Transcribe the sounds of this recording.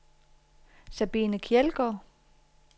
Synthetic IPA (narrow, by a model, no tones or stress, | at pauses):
sæb̥iːnəkʰjelɡ̥ɒː